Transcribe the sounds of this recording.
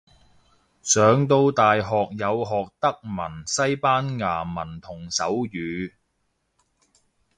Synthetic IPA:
sœː˨˧ŋt̪o˧wt̪aː˨jɦɔː˨k̚jɐ˨˧wɦɔː˨k̚t̪ɐ˥k̚mɐ˨˩nsɐ˥jpaː˥nŋaː˨˩mɐ˨˩nt̪ʰʊ˨˩ŋsɐ˨˥wjyː˨˧

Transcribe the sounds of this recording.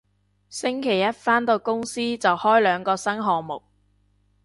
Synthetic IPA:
sɪ˥ŋkʰe˨˩jɐ˥t̚faː˥nt̪o˧wkʊ˥ŋsiː˥t͡sɐ˨whɔː˥jlœː˨˧ŋkɔː˧sɐ˥ŋɦɔː˨ŋmʊ˨k̚

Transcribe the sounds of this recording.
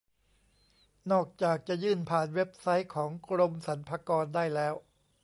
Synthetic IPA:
nɔː˥˩k̚t͡ɕaː˨˩k̚t͡ɕa˨˩jɯː˥˩npʰaː˨˩nwe˦˥p̚sa˦˥jkʰɔː˩˦ŋkʰɾo˧msa˩˦npʰaː˧kɔː˧ndaː˥˩jlɛː˦˥w

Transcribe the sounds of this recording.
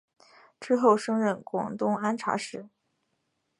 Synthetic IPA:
ʈ͡ʂɻ̩˥xo˥˩ʊʂɤ˥ŋɻə˥˩nkwɑ̰˨˩ŋt̪ʊ˥ŋa˥nʈ͡ʂʰa̰˧˥ʂɻ̩˧˩˦

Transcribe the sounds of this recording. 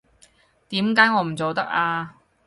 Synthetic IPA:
t̪iː˨˥mkaː˨˥jŋɔː˧m̩˨˩t͡so˨wt̪ɐ˥k̚aː˧

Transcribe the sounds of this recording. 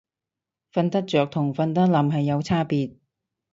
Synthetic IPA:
fɐ˧nt̪ɐ˥t̚t͡ʃœː˨k̚t̪ʰʊ˨˩ŋfɐ˧nt̪̬ɐ˥t̚lɐ˨mɦɐ˨jːɐ˨˧wt͡sʰaː˥piː˨˧t̚

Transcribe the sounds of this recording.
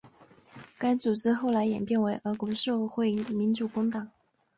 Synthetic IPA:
ka˥nt͡su˨˩ʈ͡ʂɻ̩˥xo˥˩ʊla˧˥ɪjɛ̰˨˩npjɛ˥˩˧nwe˧˥ɪʔə˧˥kwɔ˧˥ʂɤ˥˧xwe˥˩ɪə˩mi˧˥nt͡su˨˩kʊ˥ŋt̪ɑ˨˩˦ŋ

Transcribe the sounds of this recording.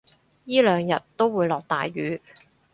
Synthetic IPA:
jiː˥lœː˨˧ŋjɐ˨˩t̚t̪o˥wwuː˨˧jlɔː˨k̚t̪a̰ː˨jɥyː˨˥

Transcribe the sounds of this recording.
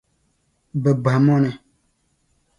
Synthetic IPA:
bə˨ba˨mɔ˦nɛ˨

